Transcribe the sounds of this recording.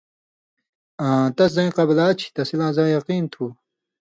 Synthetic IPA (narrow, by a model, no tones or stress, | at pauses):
ãt̪ɐszɐĩqɐblaːt͡ɕʰi̥t̪ɐsilãːzãːjɐqiːnt̪ʰuː